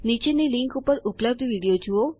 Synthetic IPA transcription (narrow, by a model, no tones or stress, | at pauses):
nit͡ʃeniliŋkupəɾupləb̚d̪ʱʋiɽijod͡ʒuo